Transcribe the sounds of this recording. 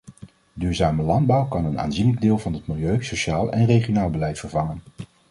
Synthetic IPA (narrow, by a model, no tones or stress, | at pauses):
dyːɹzaːməlɑndbʌwkɑnəna̰ːnziːnləɡ̚dɪːlˠvɑnɦətmɪlˠjøɥsoʃaːlˠɛ̰nrejχijonaːlˠbəlɛjtfəɹvɑŋən